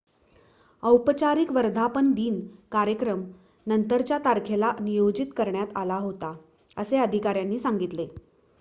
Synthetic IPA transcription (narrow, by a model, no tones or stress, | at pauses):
əwpt͡ɕaɾikʋəɾd̪ʱapənd̪iːnkaɾjəkɾəm | nənt̪əɾt͡ɕjat̪aɾkʰelanijod͡ʑit̪kəɾɳjat̪alaɦot̪a | əseəd̪ʱikaɾjanːiːsaŋɡit̪le